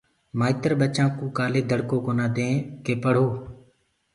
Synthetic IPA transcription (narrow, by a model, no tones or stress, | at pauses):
maːɪt̪əɾɓət͡ʃãːkũːkaːleːd̪ʱəɽkoːkoːnãːd̪ẽːkeːpəɽ̤oː